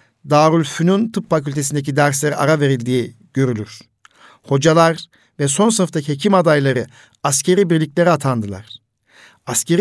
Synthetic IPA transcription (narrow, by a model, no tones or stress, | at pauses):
d̪aːɾulʲfynunt̪ʰɯpfacylʲt̪ʰe̞sind̪ecʰid̪æɾslʲeɾiʔa̰ɾave̞ɾilʲd̪iː | ɟ̥ø̞ɾylʲyɾ̥ | ho̞d͡ʒalˠaɾ | vɛso̞nsɯnɯft̪acʰihecʰimad̪ajlˠaɾɯ | ascʰe̞ɾiːbiɾlʲicʲlʲe̞ɾiat̪ʰand̪ɯlˠa̰ɾ̥ | ascʰe̞ɾ